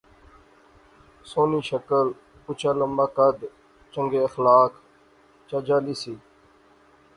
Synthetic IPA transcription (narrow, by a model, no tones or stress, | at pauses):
soːniːʃəkəl | pʊt͡ʃʰaːləmbaːkəd̪ | t͡ʃəŋɡeːəxlaːk | t͡ʃaːd͡ʒaːliːsiː